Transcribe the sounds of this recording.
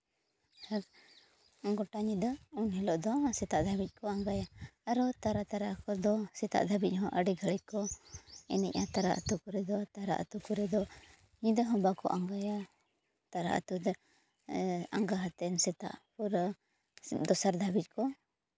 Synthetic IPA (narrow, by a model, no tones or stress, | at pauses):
hak | ɔŋɡɔʈaɲid̪ɔunɦɛlɔʔd̪ɔsɛt̪aʔd̪ʱabic̚ˀkɔaŋɡajaːɾɔt̪aɾat̪aɾakɔd̪ɔsɛt̪a̰ʔd̪ʱabic̚ˀɦɔ̃ʔəɖiɡʱəɭic̚kɔɛ̰nɛ̰c̚ˀat̪aɾa̰ʔa̰t̪ukɔɾɛd̪ɔt̪aɾa̰ʔa̰t̪ukɔɾɛd̪ɔ | ɲid̪əɦɔ̃mbakɔ̰ʔaŋɡaja | t̪aɾaʔa̰t̪ud̪ | a̰ŋɡaɦat̪ɛnsɛt̪a̰ʔpuɾ | d̪ɔsaɾd̪ʱabic̚kɔ